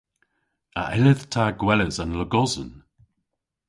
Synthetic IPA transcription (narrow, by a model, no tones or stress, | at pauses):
a̰ʔɪləð̥tʰaːɡwɛləzanləɡɔzən